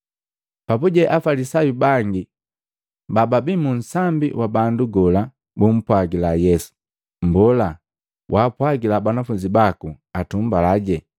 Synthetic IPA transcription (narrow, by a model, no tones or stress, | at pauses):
papuɟɛʔafalisajubaŋɡi | bababimun̩sambḭwabanduɡɔla | bum̩pwaɡilajɛsu̥ | mbɔla | wʔaːpwaɡilabanafuɲd͡ʒibaku | atum̩balaɟɛ